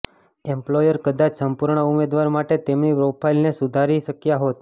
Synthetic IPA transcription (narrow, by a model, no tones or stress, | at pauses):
emplojəɾkəd̪at͡ʃsəmpuɾɳəumed̪ʋaɾmaʈet̪emnipɾopʰailnesud̪ʱaɾiʃəkjaɦot̪̚